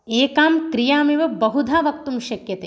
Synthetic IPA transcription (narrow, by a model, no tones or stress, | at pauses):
eːkaːmkɾijaːmiʋɐbɐɦud̪ʱaːʋɐk̚t̪umʃɐkjɐt̪eː